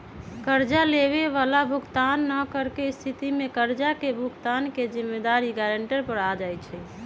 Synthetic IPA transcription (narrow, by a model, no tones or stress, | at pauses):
kəɾd͡ʒaleʋeʋalabʱuɡt̪anːəkəɾkeist̪ʰit̪imekəɾd͡ʒakebʱuɡt̪anked͡ʒimːed̪aɾiɡaɾəɳʈəɾpəɾad͡ʒajt͡ʃʰɛ